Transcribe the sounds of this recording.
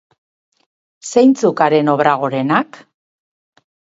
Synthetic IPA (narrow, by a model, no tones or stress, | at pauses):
sejnt͡sukaɾe̞no̞βɾaɣ̞o̞ɾe̞nak